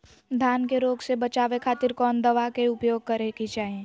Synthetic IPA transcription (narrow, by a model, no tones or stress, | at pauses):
d̪ʱjaːnkeɾoːɡsebɐt͡ʃaːʋekʰaːt̪ɪɾkɔːnd̪ɐʋakeʊpjoːɡ̚kɐɾekit͡ʃaːɦẽː